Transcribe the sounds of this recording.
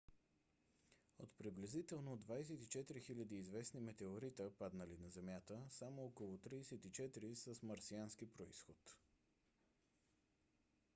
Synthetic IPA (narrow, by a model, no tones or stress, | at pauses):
ot̪pɾiblɛzit̪ɛlˠnod̪vajsɛt̪it͡ʃɛt̪iɾixilʲɐd̪iːzvɛsnimɛt̪ɛoɾit̪əpad̪nəlinɐzɛmjat̪əsamoɔkolˠot̪ɾiːsɛt̪it͡ʃɛt̪iɾisəsmɐɾsiansk̟ipɾoisxot̪